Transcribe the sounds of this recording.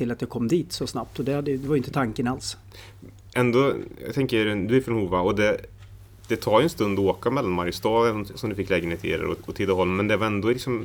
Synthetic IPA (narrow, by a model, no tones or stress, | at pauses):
ɪlat̪jɑːkʰɔmːd̪iːt̪sɔsnap̚t̪ɔd̪ɛhad̪ːəjd̪ɛvaɾjʏnt̪ət̪ʰaŋkənals | ʔɛnd̪ɔjɑ̰ɡt̪ʰɛŋkəɾd̪ɵæɾfɾɔnhuːvaɔd̪ɛ | d̪̥ɛt̪ʰɑːjɵɛnst̪ɵnd̪ɔoːkamɛlːanmaɾjst̪ɑːd̪sɔmd̪ɵfɪkːlɛːɡəneːt̪ʰɪ̰ɾɛ̰ɾɔ̰ɔt̪ʰɪd̪aɦɔlmmːɛnd̪ɛvaɾɛnd̪ɔlɪksɔm